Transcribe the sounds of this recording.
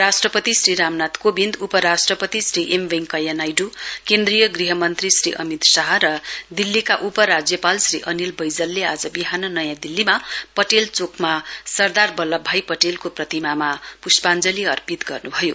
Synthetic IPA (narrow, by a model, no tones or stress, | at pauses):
ɾasʈrʌpʌt̪isriɾamnat̪kobind̪upʌɾasʈrʌpʌt̪isriʔemʋeŋkʌjanajɖukend̪rijʌɡriɦʌmʌnt̪risriʔʌ̰mit̪saɦʌɾʌd̪ilːikaʔupʌɾad͡zjʌpalsriʔʌnilbʌjd͡zʌlːead͡zʌbiɦanʌnʌjãd̪ilːimapʌʈelt͡sokʰmasʌrd̪arbʌlːʌbʱajpʌʈelkoprʌt̪imamapuspand͡zʌliʌrpit̪ɡʌrnubʱʌjo